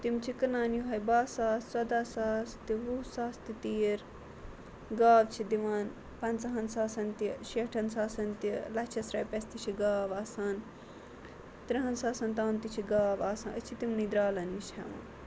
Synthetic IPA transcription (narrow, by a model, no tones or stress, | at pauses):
t̪imt͡ʃʰikɨnaːnjuɦɐjbaːsaːssɐd̪aːsaːst̪iʋusaːst̪it̪iːɾ | ɡaːʋt͡ʃʰid̪iʋaːn | pɐnt͡sɐɦɐnsaːsɐnt̪iʃiʈʰɐnsaːsɐnt̪ilɐt͡ʃʰɐsɾɐːjpʲest̪it͡ʃʰiɡaːʋaːsaːn | t̪ɾiɦɐnsaːsɐnt̪aːnt̪it͡ʃʰiɡaːʋaːsɐːnət͡ʃʰit̪imnid̪ɾaːlɐniʃhɐ̰ʋa̰ːn